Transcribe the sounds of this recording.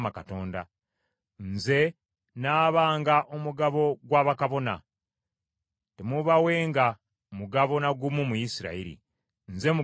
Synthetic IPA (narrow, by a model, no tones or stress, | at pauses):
makato̞ːnda̰ | nze̞ | naːβaːŋɡaʔomuɡaβo̞ɡwaːβakaβo̞na̰ | temuβawe̞ːŋɡa | muɡaβo̞naɡumumujisiɾa̰iɾḭ | nze̞mu